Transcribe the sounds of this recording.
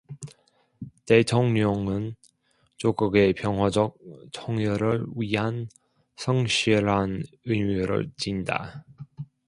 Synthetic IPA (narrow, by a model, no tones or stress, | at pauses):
tetʰoŋɲʌŋɯn | t͡ɕoɡɯɡepjʌŋɦwad͡ʑʌk̚tʰoŋjʌɾɯɭwɥiɦan | sʰʌŋɕʰiɾan | ɯjmjuɾɯ̰ɭt͡ɕinda̰